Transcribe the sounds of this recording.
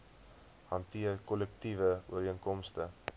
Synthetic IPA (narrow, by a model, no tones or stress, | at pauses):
hɐntiərkɔlɛk̚tivəṵəɾiəŋkɔmstə